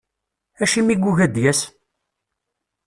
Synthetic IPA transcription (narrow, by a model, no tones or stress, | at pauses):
æʃimiɡʷuʝæd̪jæs